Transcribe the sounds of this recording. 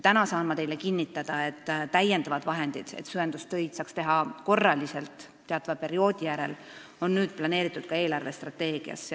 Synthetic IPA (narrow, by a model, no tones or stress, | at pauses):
t̪ænɑsɑːnmːɑt̪e̞jle̞kinʲːit̪ːˑɑd̪̥ɑe̞t̪ːˑt̪ːæjːend̪̥ɑvɑd̪̥vɑɦe̞nd̪̥id̪̥e̞̰t̪syend̪̥ust̪ø̞jd̪̥sɑːkst̪e̞ɦɑko̞rːɑlise̞lt̪ː | eɑt̪ːˑɑvɑpe̞ɾio̞ːd̪̥ijæɾe̞̰l | o̞nːyːd̪̥̚plɑne̞ːɾit̪ːˑud̪̥̚kɑe̞ːlɑrvest̪rɑt̪ːe̞ːɡ̥iɑ̰s